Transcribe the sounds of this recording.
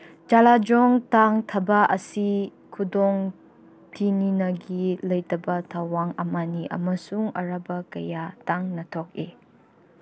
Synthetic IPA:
d͡ʒalad͡ʒɔŋtaŋtʰɐbɐʔɐsi | kʰudɔŋ | tʰininɐɡilɐjtɐbɐtʰawaŋɐmaniʔɐ̰mɐsuŋɐ̰ɾabɐkɐjataŋnɐtʰɔk̚e

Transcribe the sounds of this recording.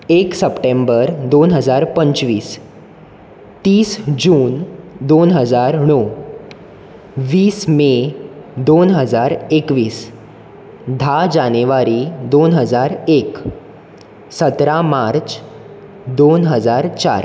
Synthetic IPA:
eksəpʈẽmbəɾd̪onɦəd͡zaɾpəɲt͡ɕʋiːs | t̪iːsd͡ʑuːnd̪onɦəd͡zaɾɳɔ | ʋiːsmed̪onɦəd͡zaɾekʋiːs | d̪ʱad͡ʑaneʋaɾid̪onɦəd͡zaɾek | sət̪ɾamaɾt͡ɕ | d̪onɦəd͡zaɾt͡ɕa̰ɾ

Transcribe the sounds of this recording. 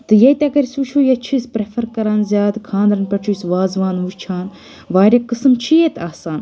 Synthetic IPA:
t̪ɨjɐjt̪ʲɐɡɐɾʲisut͡ʃʰuːjɐt͡ʃʰispɾefʰɐɾkɐɾaːnzʲjaːd̪kʰãːnd̪ɾɐnpʲɐʈʰusʋaːzʋaːnuːʃt͡ʃʰaːn | ʋaːɾʲɐkɨsɨmt͡ʃʰiet̪ʰaːsaːn

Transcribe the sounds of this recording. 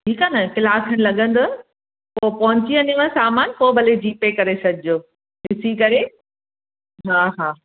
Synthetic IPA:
ʈʰiːkaːnɐkɪlaːkʰɐɽ̃lɐɠə̃nd̪ʊ | poːpɐɦʊ̃ɲt͡ɕiɐ̃niʋə̃saːmaːnpoːbɐled͡ʑiːpekɐɾesɐɡʱɪd͡ʑoː | ɦɪsikɐɾe | ɦaːɦaː

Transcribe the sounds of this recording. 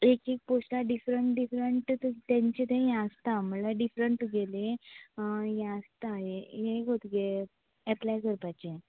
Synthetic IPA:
ekek̚posʈaɖifɾəɳʈɖifɾəɳʈt̪t̪ãɲt͡ɕet̪ẽɦɛ̃əst̪am̤əlaɖifɾəɳʈɡele | jẽəst̪ajejẽɡot̪ɡe | ɛplajkəɾpat͡ɕe

